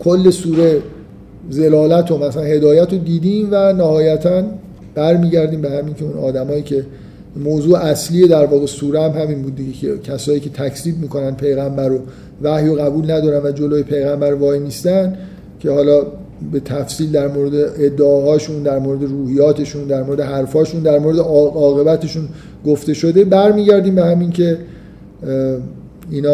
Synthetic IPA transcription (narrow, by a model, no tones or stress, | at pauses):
kʰolːe̞suːɾe | ze̞lɒːlæt̪ʰomæsæænhe̞d̪ɒːjæt̪ʰod̪iːd̪iːmvænæhɒːjæt̪ʰæn | b̥æɾmiːɟæɾd̪iːmbehæmiːncʰeunɒːd̪æmɒːjiːcʰe̞ | moːzuːeæsliːed̪æɾvɒːɣe̞suːɾeæmɦæmiːnbuːd̪̚d̪iɟecʰecʰæsɒːjiːcʰe̞t̪ʰæcʰsiːb̚miːkʰo̞nænpʰe̞jɣæmbæɾo | væhjoɣæbuːlnæd̪ɒːɾænvæd͡ʒo̞loːjepʰe̞jɣæmbæɾvɒːjniːst̪ænd̪ | cʰe̞hɒːlɒːbe̞t̪ʰæfsiːld̪æɾmoɾed̪eʔed̪ːeɒːɦɒːʃund̪æɾmoɾe̞d̪e̞ɾuːhijɒːt̪ʰe̞ʃund̪æɾmo̞ɾe̞d̪eɦæɾfɒːʃund̪æɾmo̞ɾed̪eɒɒːɣe̞bæt̪ʰe̞ʃun | ɡoft̪e̞ʃo̞d̪e̞bæɾmiːɟæɾd̪iːmbehæmincʰe̞ | iːnɒː